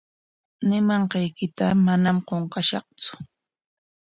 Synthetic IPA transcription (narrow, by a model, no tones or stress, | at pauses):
nɪmɑɴqɑjkɪt̪amanamqoɴqɑʃɑχt͡sʊ̥